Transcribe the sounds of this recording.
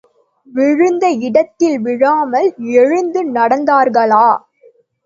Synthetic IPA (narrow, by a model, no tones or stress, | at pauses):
ʋɪɻɯnd̪ɐɪɽɐt̪ːɪlʋɪɻaːmɐlɛɻɯnd̪ɯnɐɽɐnd̪aːɾɣɐɭaː